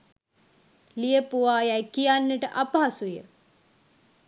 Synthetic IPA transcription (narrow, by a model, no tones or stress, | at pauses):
lijəpuʋaːjajkijanːəʈəʔapaasujə̰